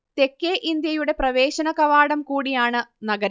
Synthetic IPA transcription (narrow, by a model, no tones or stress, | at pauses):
t̪e̞kːeʔind̪jɐjuɽe̞prɐʋe̞ːɕɐnɐkɐʋaːɽɐmkuːɽijaːɳɨnɐɡɐɾ